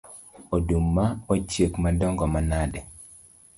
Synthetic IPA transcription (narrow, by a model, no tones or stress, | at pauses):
odumːaot͡ʃjekmadɔŋɡɔmanadɛ